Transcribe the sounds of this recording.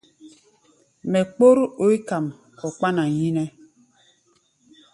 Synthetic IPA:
mɛ˨k͡po˦ɾo˨˦i˦ka˨m | ɔ˨k͡pa˦na˨ji˦nɛ˦

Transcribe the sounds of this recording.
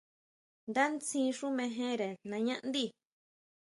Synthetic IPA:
nd̪a˦nt͡sĩ˧˦ʂu˦mẽ˧ɦẽ˦ɾe˨nã˧ɲã˦ʔnd̪i˦˨

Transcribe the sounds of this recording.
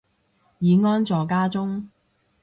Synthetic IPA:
jiː˨˧ŋɔː˥nt͡sɔː˨kaː˥t͡sʊ˥ŋ

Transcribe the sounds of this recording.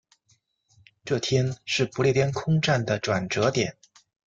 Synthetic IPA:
ʈ͡ʂɤ˥˩t̪ʰjɛ˥nʂɻ̩˥˩pu˧˥ljɛ˥˩t̪ʰjɛ˥nkʰʊ˥ŋʈ͡ʂa˥˩nd̪ə˩ʈ͡ʂwa˨˩nʈ͡ʂɤ˧˥t̪jɛ˨˩˦n

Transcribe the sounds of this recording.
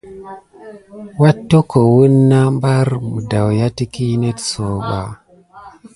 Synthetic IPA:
wa˦tːo˦ko˨wu˦nːa˦mba˦ɾmu˨da˨wja˦ti˦ki˦ne˦tso˨ɓa̰˨

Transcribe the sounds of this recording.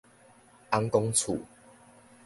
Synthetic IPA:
ʔa˦ŋkɔ˦ŋt͡sʰṵ˨˩˨

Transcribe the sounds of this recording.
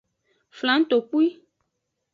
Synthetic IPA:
fl̃ã˨˦ŋ̩˦t̪o˨k͡pu˦i˦

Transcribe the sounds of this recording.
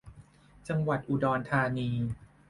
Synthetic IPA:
t͡ɕa˧ŋwa˨˩t̪̚ʔu˨˩dɔː˧nt̪ʰaː˧niː˧

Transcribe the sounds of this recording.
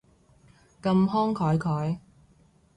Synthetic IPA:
kɐ˧mɦɔː˥ŋkʰɔː˨˥jkʰɔː˨˥j

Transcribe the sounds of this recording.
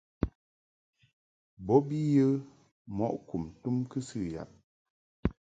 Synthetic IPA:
bɔ˨˦bi˦jə˦ | mɔ̰˦˨ʔku˨mtu˦mkɨ˦sɨ˦˨ja̰˨p̚

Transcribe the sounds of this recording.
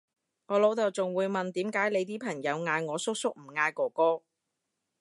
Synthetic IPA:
ŋɔː˨˧lo˨˥wt̪ɐ˨wt͡sʊ˨ŋwuː˨˧jmɐ˨nt̪iː˨˥mkaː˨˥jle˨˧jt̪iː˥pʰɐ˨˩ŋjɐ˨˧wŋaː˧jŋɔː˨˧sʊ˥k̚sʊ˥k̚m̩˨˩ŋaː˧jkɔː˨˩kɔː˥

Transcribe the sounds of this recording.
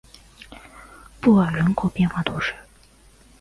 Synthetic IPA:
pu˥˩ə˨˩ɻə˧˥nkʰo˨˩pjɛ˥˧nxwa˥˩t̪ʰɔ˧˥ʂɻ̩˥˩

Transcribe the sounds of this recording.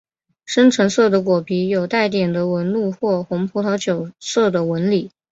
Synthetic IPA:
ʂə˥nʈ͡ʂʰɤ˧˥ŋsɤ˥˩d̪ə˩kwɔ˨˩pʰi˧˥jo˨˩ʊt̪a˥˩ɪt̪jɛ˨˩nd̪ə˦wə˧˥nlu˥˧xwɔ˥˩xʊ˧˥ŋpʰu˧˥t̪ʰɑ˧˥ʊt͡ɕjo˨˩ʊsɤ˥˩d̪ə˩wə˧˥nli˨˩˦

